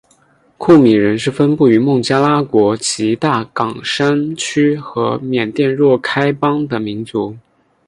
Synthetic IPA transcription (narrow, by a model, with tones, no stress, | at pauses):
kʰu˥˩mi˨˩ɻə˧˥nʂɻ̩˥˩fə˥npu˥˩y˧˥mʊ˥˩ŋt͡ɕja˥la˥kwɔ˧˥t͡ɕʰi˧˥t̪a˥˩kɑ˨˩ŋʂa˥nt͡ɕʰy˥xɤ˧˥mjɛ˨˩nt̪jɛ˥˧nɻwɔ˥˩kʰa˥ɪpɑ˥ŋd̪ə˨mi˧˥nt͡su˧˥